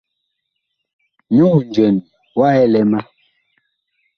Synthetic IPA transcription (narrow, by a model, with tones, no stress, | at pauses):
ɲu˦˨n˨d͡ʒɛ˨n | wa˦ɛ˦lɛ˦ma˦